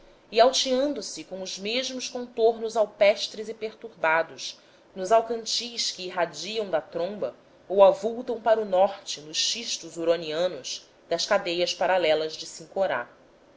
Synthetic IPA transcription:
iawt͡ʃiɐ̃nd̪ʊsɪkõʊzmeʒmʊʃkõnt̪oɾnʊzawpɛʃt̪ɾɪzɪpeɾt̪uɾbad̪ʊʃ | nʊzawkɐ̃nt͡ʃijʃkɪːɦad͡ʒiɐ̃w̃d̪ɐt̪ɾõmbɐ | owavuwt̪ɐ̃w̃paɾʊnɔχt͡ʃɪnʊʃʃiʃt̪ʊzuɾɐniɐ̃nʊz | d̪̥ɐskad̪ejɐspaɾalɛlɐzd͡ʒɪsĩŋkoɾa̰

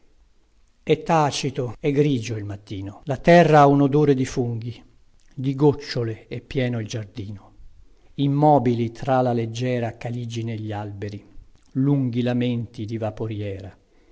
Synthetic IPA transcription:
ɛt̪ːaːt͡ʃit̪oɛɡɾiːd͡ʒoilmat̪ːiːnolat̪ɛrːaaunod̪oːɾed̪ifuŋɡi | d̪iɡot͡ʃːoleepːjɛːnoild͡ʒard̪iːno | imːɔːbilit̪ɾalaled͡ʒːɛːɾakalid͡ʒineʎːialbeɾiluŋɡilament̪id̪ivapoɾjɛːɾa

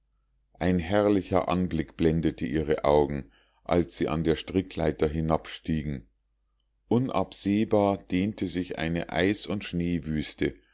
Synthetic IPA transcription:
ʔaɪnɦɛɐlɪçɐ̰ʔanblɪkb̥lɛndətʰəʔiːʁ̞əʔaʊɡŋ̩ | ʔa̰lsz̥iːʔa̰ndeːɐʃtʁ̥ɪkʰla̰ɪtɐɦɪnapʃtiːɡŋ̩ | ʔʊnʔa̰pz̥eːbaːɐd̥eːntʰəzɪçʔa̰ɪnəʔa̰ɪsʊntʃneːvyːstə

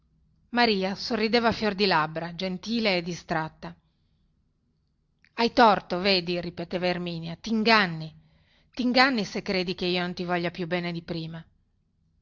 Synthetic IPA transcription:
maɾiːasorːid̪eːvafjord̪ilabɾad͡ʒent̪iːleːd̪ist̪ɾat̪ːa | ajt̪ɔrt̪oveːd̪iripet̪eːvairmiːnjat̪iŋɡanːi | t̪iŋɡanːisekːɾeːd̪ikeiːonont̪ivɔʎːapjubɛːned̪ipɾiːma

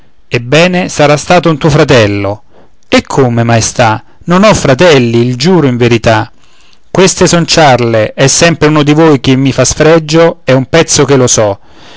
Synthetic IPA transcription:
ebːɛːnesaɾast̪aːt̪ount̪uːofɾat̪ɛlːo̰ | ekʰːomemajst̪a | nonɔfːɾat̪ɛlːiild͡ʒuːɾoiɱveɾit̪a | kwest̪esɔnt͡ʃarleʔɛsːɛmpɾeuːnod̪ivoːjk̟emːifasfɾɛd͡ʒːoɛumpɛt̪sːok̟elosɔ

